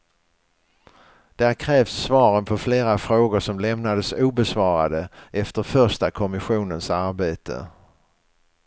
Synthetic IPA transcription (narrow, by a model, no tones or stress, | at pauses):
d̪̥ɛhæɾkʰɾɛːvsːvɑːɾənpʰɔfleːɾafɾoːɡʊɾʂɔmlɛmnad̪əsuːbɛsvɑːɾad̪əʔɛft̪əɾfœɾʂtakʰɔmɪɧuːnənsaɾbeːt̪ʰə̰